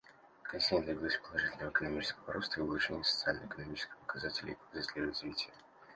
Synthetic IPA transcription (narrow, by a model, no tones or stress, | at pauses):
kɐnʲsʲinʲəd̪vʲɪɡʲilˠosʲpəlˠɐʐɨtʲɪlʲnəvəkənɐmʲit͡ɕɪ̥skəvəɾo̞st̪əibəlˠʊʂenʲɪjəsə̥t̪sɨalʲnə̰ɪkənɐmʲit͡ɕɪ̥skʲɪ̥xpə̥kɐzatʲɪlʲɪ̰jvzasʲlʲerɐzvʲitʲɪjə